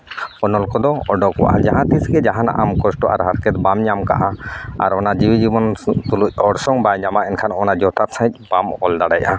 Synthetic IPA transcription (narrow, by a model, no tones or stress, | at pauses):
ɔnɔlkɔd̪ɔɔɖɔkɔwa̰ʔa̰d͡ʒaɦãt̪isɡɛd͡ʒaɦãna̰ʔamkɔsʈɔʔa̰ɾɦaɾkɛt̪̚bamɲamka̰ʔaa̰ɾɔnad͡ʒibid͡ʒibɔnt̪uluc̚ˀɔɽsɔŋbajɲamaɛnkʰanɔnad͡ʒɔt̪at̪sãic̚ˀb̥amɔld̪aɽajʔa